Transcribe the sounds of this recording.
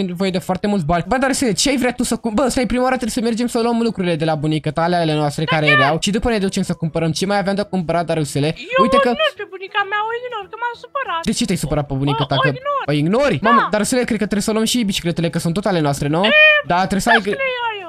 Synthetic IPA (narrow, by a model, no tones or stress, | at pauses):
ent̪nevo̞je̞d̪efoart̪e̞mult̪banʲbəd̪aɾuselet͡ʃeajvɾejat̪usəkumbəst̪ajpɾimawaɾat̪ɾebsəme̞rd͡ʒe̞msəluəmlukɾuɾile̞d̪e̞labunikət̪alealenoast̪ɾekaɾejeɾawʃid̪upənead̪ut͡ʃemsəkumpəɾəmt͡ʃe̞majavjamd̪eakumpəɾad̪aɾusele̞ujt̪ekəpebunikameaoiɡnorkəmasupəɾad̪et͡ʃet̪ejsupəɾat̪̚pəbunikət̪akəoiɡnoɾʲmamd̪aɾɨselekɾe̞d̪̚kət̪ɾebsəluəmʃibit͡ʃi̥klet̪elekəsunt̪ot̪ale̞noast̪ɾe̞nod̪at̪ɾebsa